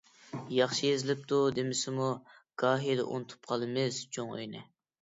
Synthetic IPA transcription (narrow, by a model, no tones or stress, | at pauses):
jɑχʃijezɪlɪp̚t̪ʰud̪emɪsɪmu | ɡ̥ɑːɦijd̪ɛ̰ʔṵnɨt̪ʰu̥p̚qʰɑlˠɨmɪz̥t͡ʃʰoŋy̰jnɪ